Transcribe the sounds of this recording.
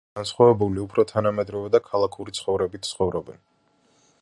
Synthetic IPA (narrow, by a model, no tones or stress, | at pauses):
ansχwavɛbuliupʰɾɔt̪ʰanamɛd̪ɾɔvɛd̪akʰalˠakʰuɾit̪sʰχɔvɾɛbit̪̚ʰsʰχɔvɾɔbɛn